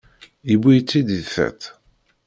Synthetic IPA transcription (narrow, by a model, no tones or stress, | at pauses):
ibijt͡sːid̪iðθæ̰t̪